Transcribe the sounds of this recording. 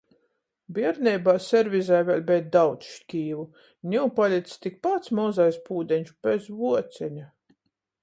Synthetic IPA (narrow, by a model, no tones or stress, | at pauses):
biɛɾnʲɛjbaːsɛɾvʲizajvʲɛlʲbɛt̪̚d̪awt̪sʃkʲiːvu | nʲiwpalʲit̪st̪ik̚pat̪smɔzajspuːd̪ɛnʲʃb̥ɛzvuɔt̪sʲɛɲa